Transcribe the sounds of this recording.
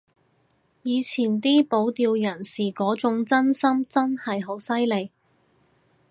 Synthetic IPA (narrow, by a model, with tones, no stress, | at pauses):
jiː˨˧t͡sʰiː˨˩nt̪iː˥po˨˥wt̪iː˧wjɐ˨˩nsiː˨˩kɔː˨˥t͡sʊ˨˥ŋt͡sɐ˥nsɐ˥mt͡sɐ˥nhɐ˨jɦo˨˥wsɐ˥jle˨˧j